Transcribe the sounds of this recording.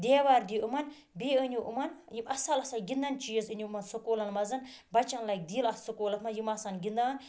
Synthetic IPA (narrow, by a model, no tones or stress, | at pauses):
d̪ʲeːʋaːɾd̪iumɐn | beːɨnʲuʔumɐnjimɐsɐlɐsaɡʲind̪ɐnt͡ʃijɐzɨnʲuumɐnsokoːlɐnmɐzɐn | bɐt͡ʃɐnlɐjk̚d̪iːlɐsɐkoːlɐt̪mɐnjimasɐnɡʲind̪aːn